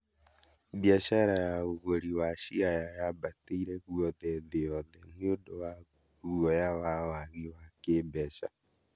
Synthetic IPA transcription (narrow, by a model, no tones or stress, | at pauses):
ðjaʃaɾajaoɣoɾiwaʃiajajabateiɾɛɣuɔðɛðejɔðɛneodowa | uɔjawawaɣiwakeːbɛʃa